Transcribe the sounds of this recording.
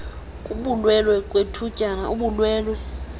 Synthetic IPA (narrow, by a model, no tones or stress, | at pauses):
kʼuɓulwɛlwɛkʼwetʰucʼanauɓulwɛːlwɛ